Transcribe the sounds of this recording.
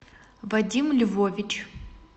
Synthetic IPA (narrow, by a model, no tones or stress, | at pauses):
vɐdʲimlʲuvovʲit͡ʃʰ